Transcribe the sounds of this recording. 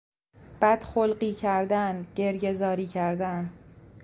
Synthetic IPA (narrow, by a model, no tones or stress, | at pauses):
b̥æd̪̥xolɢiːcʰæɾd̪ænɟe̞ɾje̞zɒːɾiːcʰæɾd̪æn